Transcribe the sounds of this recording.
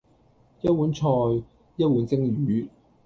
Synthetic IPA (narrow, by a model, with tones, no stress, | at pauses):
jɐ˥t̚wu˨˥nt͡ʃʰɔː˧j | jɐ˥t̚wuː˨˥nt͡sɪ˥ŋjyː˨˥